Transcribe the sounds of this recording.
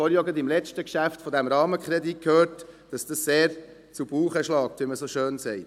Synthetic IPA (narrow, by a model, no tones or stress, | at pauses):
ɔɾjɔɡəd̪ɪmlɛt͡ʃtəkʃæftfɔdæmɾɑːməkχɾɛdit̚khøːɾtd̥ɑsd̥ɑsseːɾ | t͡subuːχəʃlɑːk̚t̪ʋiməsoʃøːnsɛɪt